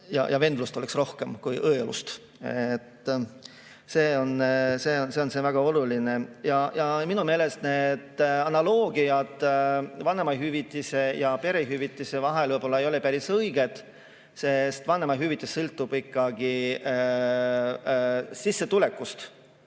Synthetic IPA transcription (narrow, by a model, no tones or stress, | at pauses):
jɑ̰jɑve̞nd̪lust̪o̞leksro̞hke̞mkujʔɤelṵst̪ | et̪ː | seːo̞nse̞onse̞o̞nse̞ːvæɡ̥ɑo̞luline̞jɑjɑminume̞ːlest̪ne̞d̪ɑnɑlo̞ːɡiɑd̪vɑnemɑɦyvit̪ːˑise̞jɑpe̞ɾeɦyvit̪ːˑise̞vɑɦelvɤjb̥o̞lːɑejo̞lepæɾisɤjɡ̥e̞t̪ | se̞st̪vɑnːemɑɦyvit̪ːˑesːɤlt̪ːub̥ikːɑɡ̥i | sisːe̞t̪ule̞kːust̪